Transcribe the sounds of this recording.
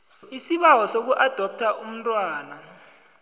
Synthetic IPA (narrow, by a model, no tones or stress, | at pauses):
isiɓawɔsok̬uʔad̥ʱɔp̚tʰaʔum̩tʼwaːna